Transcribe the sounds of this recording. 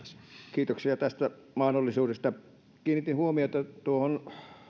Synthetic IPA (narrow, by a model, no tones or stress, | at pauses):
skiːt̪oksiɑt̪æst̪æmɑhnolːˑisuːdest̪ɑ | kiːnit̪inhuomiot̪ɑt̪uohon